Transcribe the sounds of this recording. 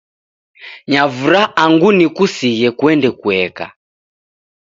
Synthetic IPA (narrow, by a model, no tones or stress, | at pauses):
ɲavuɾaaŋɡunikusijɛkuɛndɛkuɛka̰